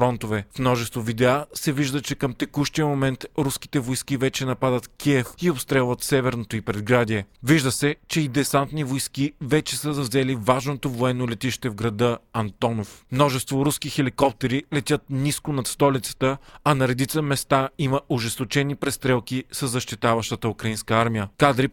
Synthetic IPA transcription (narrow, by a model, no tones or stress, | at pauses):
ɾɔnt̪ovɛfmnɔʒɛst̪vovid̪ɛasɛviʒd̪ət͡ʃɛkəmt̪ɛkuʃt̪ijəmomɛnt̪ɾuski̥t̪ɛvojskivɛt͡ʃɛnɐpad̪ət̪kʲʰiɛfiopst̪ɾɛlˠvɐt̪sɛvɛɾnot̪oipɾɛd̪̚ɡɾad̪ʲiɛviʒd̪əsɛt͡ʃɛid̪ɛsant̪nivojskivɛt͡ʃɛsəzɐvzɛlivaʒnot̪ovoɛnːolɛt̪ʲiʃt̪ɛvɡɾɐd̪ɤɐnt̪ɔnofmnɔʒɛst̪voɾuskixɛlikɔp̚t̪ɛɾilɛt̪ʲət̪̚niskonɐt̪st̪ɔlit̪sə̥t̪əɐnɐɾɛd̪it̪səmɛst̪aiməʊʒɛst̪ot͡ʃɛnipɾɛst̪ɾɛlˠkisəzːɐʃt̪it̪avɐʃt̪ət̪əukɾɐinskəaɾmijəkad̪ɾi